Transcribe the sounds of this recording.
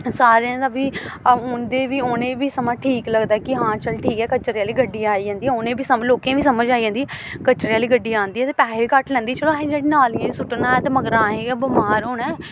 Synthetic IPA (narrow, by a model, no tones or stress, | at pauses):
saːɾeə̃d̪əbiːʊnd̪eːʋiːʊːnẽːbiːsəmãʈʰiːkləɡd̪aːkɪɦãːt͡ʃəlʈʰiːkɛːkət͡ʃəɾjaːliːɡəɖiːaːiːd͡ʒãːnd̪iːɛːʊnẽːbiːsəloːkẽːbiːsəməd͡ʒaːid͡ʒãːnd̪iːɛkət͡ʃəɾijaːliːɡəɖːiːãːnd̪iːɛːt̪eːpɛːɦeiːkəʈlɛ̃ːnd̪iːt͡ʃəloɦẽːd͡ʒeːɽiːnaːlẽsʊʈnaːɛt̪eːməɡɾãːẽːɡbəmaːɾɦoːɳɛː